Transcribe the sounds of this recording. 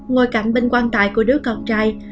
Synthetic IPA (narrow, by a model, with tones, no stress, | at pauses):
ŋo˧jka̰˧˩jŋ̟ɓe˧nkwaː˧nt̪a̰ː˧˨jku˧˩əɗɨ˨˦˥əkə˨˧˩wŋ͡m̚t͡ɕaː˧j